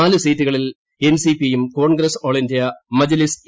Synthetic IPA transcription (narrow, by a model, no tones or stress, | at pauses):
aːlɨsiːtːuɣɐɭil | ensipijemko̞ːɳɡɾesoːɭindijɐmɐd͡ʑɐlis